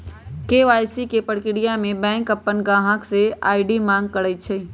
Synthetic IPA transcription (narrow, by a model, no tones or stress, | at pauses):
keʋaːjsikepəɽkɪɽijamẽbɛ̃ːŋkəpːənɡãːɦãksea̰ːɪɖimãːŋɡ̚kəɽət͡ʃʰeː